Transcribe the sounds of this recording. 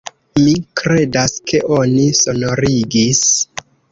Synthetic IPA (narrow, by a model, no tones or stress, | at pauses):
mikɾe̞daskʰe̞ʔo̞niso̞no̞ɾiɡis